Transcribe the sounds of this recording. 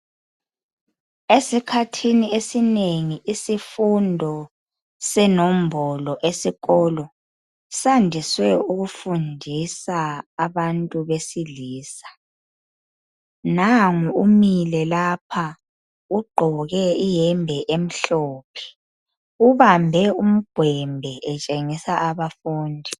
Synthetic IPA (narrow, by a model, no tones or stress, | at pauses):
esikʰatʰiniesineŋiʔisifundʱɔ | sɛnom̩bʱɔlɔʔesiɣɔlɔ | sandʱiswɛuɣufundʱisaːβantʼuβesiliːsḁ | naŋuumilɛlapʰa | uɡ͡ǃʱɔɣɛijɛmbʱɛʔem̩ɬɔːpʰɛ̥ | uβambʱɛum̩ɡ̥ʱwɛmbʱɛʔɛt͡ʃʼeŋisaʔaβafuːndʱi